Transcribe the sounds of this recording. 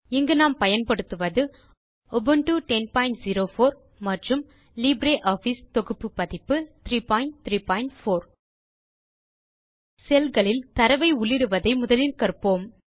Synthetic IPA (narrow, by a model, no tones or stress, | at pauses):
ɪŋɡɐnaːmpɐjɐnpɐɽɯt̪ːɯʋɐðɯ | ɔbɯnʈuʈɛnpaːɪɳʈziɾoːfoːɾ | mɐʈrɯm | liːbɾeːʔaːfiːst̪ɔɣɯpːɯpːɐðɪpːɯt̪ɾiːpaːɪɳʈ̚t̪ɾiːpaːɪɳʈfoːɾ | sɛlɣɐɭɪlt̪ɐɾɐʋɐɪʊɭːɪɾɯʋɐðɐɪmʊðɐlɪlkɐrpoːm